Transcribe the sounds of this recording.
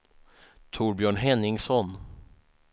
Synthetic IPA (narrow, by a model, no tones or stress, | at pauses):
t̪ʰʊːɾbjœːɳɦɛnːɪŋsɔn